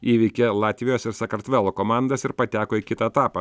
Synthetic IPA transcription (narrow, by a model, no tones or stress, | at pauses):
iːʋʲɪkʲelˠɑːt̪ʲʋʲɪjoːsɪɾsɐkɐɾt̪ʲʋʲæːlˠoːkoːmɑˑnd̪ɐsɪɾpɐt̪ʲæːkoːɪkʲɪt̪ɐɛt̪ɑːpɐ